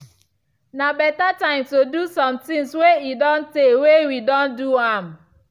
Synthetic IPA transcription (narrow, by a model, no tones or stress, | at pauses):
nabɛtatãɪ̃mstodusɔ̃mtɪ̃ŋsweidɔ̃n̩tewewidɔ̃nduam